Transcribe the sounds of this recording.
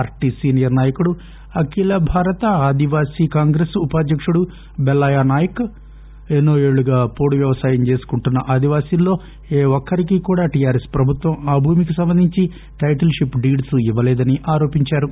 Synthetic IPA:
aːɾʈiːsiːnijɐɾnaːjɐkuɽu | ɐkilɐbʱaːɾɐt̪ɐaːd̪iʋaːsiːkaːŋɡɾesupaːd̪jɐkʂuɽu | bɛlːajaːnaːjɐk | enːoːeːɭːuɡaːpoːɽuʋjɐʋɐsaːjɐmt͡ʃe̞ːsu̥kuɳʈunːɐʔaːd̪iʋaːsinlːo̞ː | eːɔkːɐɾikiːkuːɽaːʈijaːɾespɾɐbʱut̪ʋɐmaːbʱuːmikisɐmbɐnd̪ʱiɲt͡ʃi | ʈɐjʈɐlʂipɖiːɖsuiʋːɐlɛːd̪ɐniʔaːɾo̞ːpiɲt͡ʃaːɾu

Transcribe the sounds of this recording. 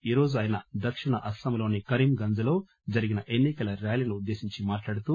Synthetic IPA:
iːɾo̞ːd͡ʒuɐːjinɐd̪ɐkʂiɳɐʔɐst̪ɐmlo̞ːnikɐɾimɡɐnd͡ʒɐlo̞ː | d͡ʒɐɾiɡinɐʔenːikɐlɐɾjaːlinuːd̪ːe̞ːsiɲt͡ʃimaːʈlaːɽut̪u

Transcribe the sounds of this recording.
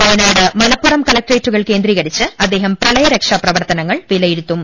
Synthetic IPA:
pɐːnaːɽɨmɐlɐpːuɽɐmkɐlɐk̚ʈreːtːuɣɐɭke̞ːnd̪riːɣɐɽit͡ɕːɨɐd̪ːe̞ːɦɐmprɐɭɐjɐɾekʂɐprɐʋɐrt̪ɐnɐŋːɐɭʋilɐjiɾit̪ːum

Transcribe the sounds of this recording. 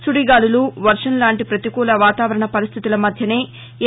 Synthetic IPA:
suɽiɡaːluluʋɐɾʂɐnlaːɳʈipɾɐt̪ikɔːlɐʋaːt̪aːʋɐɾɐɳɐpɐɾist̪ʰit̪ulɐmɐd̪ʱjɐne̞ː

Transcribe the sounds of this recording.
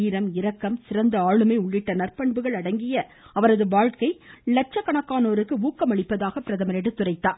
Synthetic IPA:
iːɾɐmɪɾɐkːɐmsɪɾɐnd̪ɐaːɻɯmɐɪʊɭːɪʈːɐnɐrpɐɳbɯɣɐɭɐɽɐŋɡɪjɐ | ɐʋɐɾɐðɯʋaːɻkɐɪlɐʈ̚t͡ʃɐkːɐɳɐkːaːnoːɾɯkːɯuːkːɐmɐɭɪpːɐðaːɣɐpːɪɾɐðɐmɐnɛɽɯt̪ːʊrɐɪt̪ːaː

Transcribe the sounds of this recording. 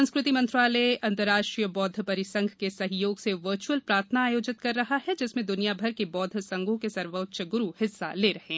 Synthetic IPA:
ɐ̃skɾɪt̪imɐ̃nt̪ɾaːleɐ̃nt̪əɾaːʃʈɾijəbɔːd̪ʱpɐɾɪsɐ̃ŋɡʱkesɐɦjoːɡseʋəɾt͡ʃuəlpɾaːɾt̪ʰənaːjoːd͡ʒɪt̪̚kɐɾːɐɦaɦɛd͡ʒɪsmẽd̪ʊnijabʱɐɾkebɔːd̪ʱsɐ̃ŋɡʱõkesɐɾʋətʃəɡʊɾuhɪsːa̰leːɾɐɦẽː

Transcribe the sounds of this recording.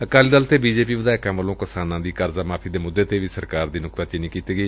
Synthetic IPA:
əkaːliːd̪əlt̪eːbiːd͡ʒeːpiːʋəd̪aːɪkãːʋəlõːkɪsaːnãːd̪iːkəɾzaːmaːpʰiːd̪eːmʊd̪ːeːt̪eːʋiːsəɾkaːɾd̪iːnʊkt̪aːt͡ʃɪniːkiːt̪iːɡəiː

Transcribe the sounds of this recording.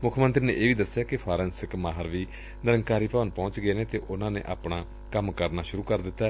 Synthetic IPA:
mʊkʰmənt̪ɾiːnḛːʔeːʋiːd̪əsːjaːkɪpʰaːɾɛ̃ːnsɪkmaːɦəɾʋiː | nəɾəŋkaːɾiːpaːʋənpɔ̃ːt͡ʃɡəeːneːt̪eːʔʊnãːnḛːʔa̰ːpɳaː | kəmkəɾnaːʃʊɾuːkəɾd̪ɪt̪ːaː

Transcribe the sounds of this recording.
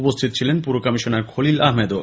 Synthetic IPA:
upost̪ʰit̪ot͡ɕʰilenpuɾokɔmiʃoneɾkʰolilaɦmed̪o

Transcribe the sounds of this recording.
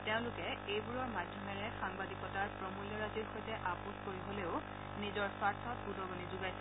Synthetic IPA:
tẽʊ̃lʊkɛejbuɹɔɹmadʱjɔmɛɹɛxaŋbadikɔtaɹpɹɔmuljɔɹaziɹxojtɛʔapuskoɹiɦoleʊ | nizɔɹswaɹtʰɔtbudɔɡɔnizuɡaj

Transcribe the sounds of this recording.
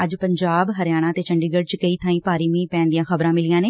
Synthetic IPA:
əd͡ʒpəɲd͡ʒaːbɦəɾjaːɽ̃aːt̪eːt͡ʃʰəɳɖiːɡəɖt͡ʃkəiːt̪ʰãːĩːpaːɾiːʋĩːpɛ̃ːnd̪ijãːxəbɾãːmɪlijãːneː

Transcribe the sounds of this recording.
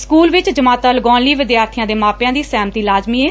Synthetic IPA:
skuːlʋɪt͡ʃd͡ʒəmaːt̪aːləɡɔ̃ːnliːʋɪd̪jaːɾt̪ʰijãːd̪eːmaːpjãːd̪iːsɛːmt̪iːlaːzmiːeː

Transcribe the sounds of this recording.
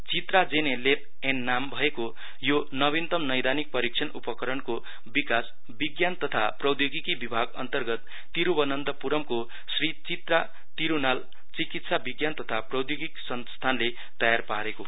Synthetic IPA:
t͡sit̪rad͡zenelep̚ | enːambʱʌeko | jonʌβint̪ʌmnʌjd̪anik̚pʌɾik̚t͡sʰʌnupʌkʌɾʌnko | bikas | biɡjant̪ʌt̪ʰaprʌwd̪joɡikibibʱaɡʌ̰nt̪ʌrɡʌt̪ːiɾubʌnʌnd̪ʌpuɾʌmko | srit͡sit̪ra | t̪iɾunal | t͡sikit̪sabiɡjant̪ʌt̪ʰaprʌwd̪joɡiksʌnst̪ʰanle | t̪ʌjarpaɾeko

